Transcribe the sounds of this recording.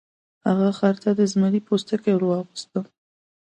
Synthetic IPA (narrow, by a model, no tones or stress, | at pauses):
haɣaxaɾt̪ad̪əzmaɾipost̪akewɾwɑɣist̪ə